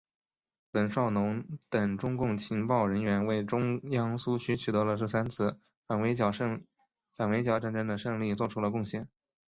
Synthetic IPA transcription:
lə˨˩nʂɑ˥˩ʊnʊ˧˥ŋt̪ə˨˩ŋʈ͡ʂʊ˥ŋkʊ˥˩ŋt͡ɕʰi˧˥ŋpɑ˥˩ʊɻə˧˥nɥɛ˧˥nwe˥˩ɪʈ͡ʂʊ˥ŋjɑ˥ŋsu˥t͡ɕʰy˥t͡ɕʰy˨˩t̪ɤ˧˥lə˧ʂɻ̩˥˩sa˥nt͡sʰɹ̩˥˩ | fa˨˩nwe˧˥ɪ˩˥˧ | fa˨˩nwe˧˥ɪt͡ɕjɑ˥ʊʈ͡ʂa˥˩nʈ͡ʂə˥ŋd̪ə˨ʂɤ˥˧ŋli˥˧t͡swɔ˥˩ʈ͡ʂʰu˥lə˧kʊ˥˧ŋɕjɛ˥˩n

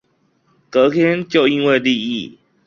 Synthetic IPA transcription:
kɤ˨˦kʰjɛ˦nt͡ɕjo˥˨ʊi˦nwe˥˨ɪli˥˧ḭ˥˨

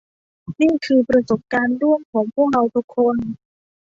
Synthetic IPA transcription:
niː˥˩kʰɯː˧pɾa˧so˨˩p̚kaː˧ndu˥˩əŋkʰɔː˩˦ŋpʰu˥˩ək̚ɾa˧wt̪ʰu˦˥kʰːo˧n

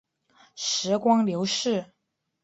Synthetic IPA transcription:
ʂɻ̩˧˥kwɑ˥ŋljo˧˥ʊʂɻ̩˥˩

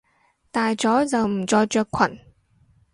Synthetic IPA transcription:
t̪aː˨˩jt͡ɕɔ˨˦zə˨˩m̩˨˩t͡ɕɔ˧jt͡ɕœː˧kkʰwə̰˧˩˨n

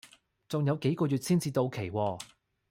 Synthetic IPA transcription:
t͡sʊ˨ŋjɐ˨˧wke˨˥jkɔː˧jyː˨˩t̚siː˥nt͡siː˧t̪o˧wkʰe˨˩jwɔː˧

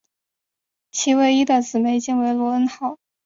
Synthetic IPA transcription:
t͡ɕʰi˧˥we˥˩ɪi˥d̪ə˥˧˩t͡sɹ̩˨˩me˧˥ɪt͡ɕi˥ŋwe˧˥ɪlwɔ˧˥ə˥nxɑ˨˩˦ʊ

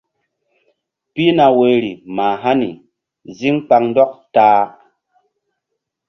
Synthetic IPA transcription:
pi˦na˨we˨ɾi˨maː˨ɦa˦nḭ˨ | zi˦ŋk͡pa˧ŋn˦dɔ˦k̚taː˨˦

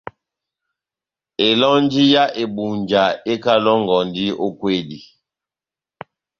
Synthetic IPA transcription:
e˨lɔ˦n˦d͡ʒi˦ja˦ʔe˨bu˨nd͡ʒa˨e˦ka˦lɔ˦ŋ˨ɡɔ˨ndi˦o˦kwe˦˨di˨

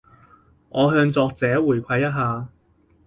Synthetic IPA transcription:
ŋʔɔː˨˧ɦœː˧ŋt͡sɔː˧k̚t͡sɛː˨˥wuː˨˩jkʷʰɐ˧jːɐ˥t̚ɦaː˧

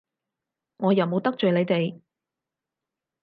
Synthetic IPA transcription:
ŋɔː˨˧jɐ˨˩wmo˨˧wt̪ɐ˥k̚t͡ʃɵ˨ɥle˨˧jt̪e˨j

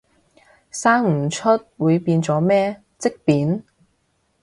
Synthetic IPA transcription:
saː˥ŋm̩˨˩t͡ʃʰɵ˥t̚wuː˨˧jpiː˧nt͡sɔː˨˥mɛː˥ | t͡sɪ˥k̚piː˨˥n

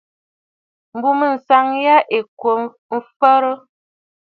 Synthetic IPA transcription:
m̩˨bu˦mə˦˨n̩˨sa˦ŋja˦ʔe˨kwo˨ | m̩˦fə˦ɾə˦

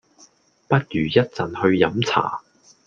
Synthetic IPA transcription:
pɐ˥t̚jyː˨˩jɐ˥t̚t͡sɐ˨nhɵ˧ɥjɐ˨˥mt͡sʰa̰ː˨˩

